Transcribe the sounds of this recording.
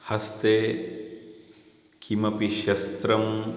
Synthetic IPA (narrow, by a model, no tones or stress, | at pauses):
hɐst̪e | kʰimɐpiʃɐst̪ɾɐm